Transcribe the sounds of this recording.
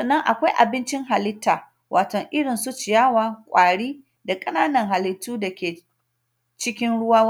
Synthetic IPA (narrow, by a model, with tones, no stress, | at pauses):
sɔ˨nːɐ˦ŋʔa˨kʷa˦jʔa̰˨bɪ˦nt͡ʃɪ˦ŋɦa˨lɪ˦tːaː˨ | wʔaː˨tɔ˨ŋʔɪ˦ɽɪ˨nsʊ˦t͡ʃɪ˨jaː˦waː˦˨kʷʼaː˨ɽiː˦ | da˨kʼɐ˦naː˦nɐ˨ŋɦa˨lɪ˦tːuː˦da˨kʲeː˨ | t͡ʃɪ˦kʲɪ˦nɽʊ˦waː˦w